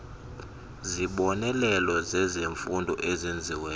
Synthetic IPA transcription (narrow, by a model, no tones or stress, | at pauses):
ziɓɔnɛlɛlɔzɛzeɱfundʱɔʔezend͡zʱiwɛː